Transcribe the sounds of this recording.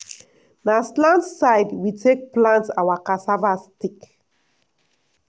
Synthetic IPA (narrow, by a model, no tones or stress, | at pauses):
naslãntsaɪdwitʰek̚plãntawakasavastik